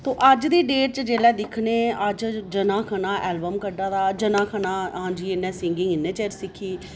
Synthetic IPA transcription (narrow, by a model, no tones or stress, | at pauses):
t̪oːʔəd͡ʒd̪iːɖeːʈ̚t͡ʃd͡ʒeːlɛːd̪ɪkʰneːəd͡ʒd͡ʒənãːkʰənãːʔɛːlbəmkəɖaːd̪aːd͡ʒənãːkʰənaːɦãːd͡ʒiːɪnːɛ̃ːsɪŋɡɪ̃ŋɪnːẽːt͡ʃeɾsɪkʰiː